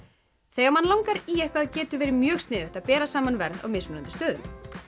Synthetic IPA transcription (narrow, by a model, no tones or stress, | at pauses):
θejɣamanlawŋkaɾiːɛhkaðcɛːt̪ʏvɛːɾɪmjœːɣst̪nɪːðʏht̪aðpɛːɾasaːmanvɛɾða̰wmɪsmʏnʏnt̪ʏst̪œːðʏ̰m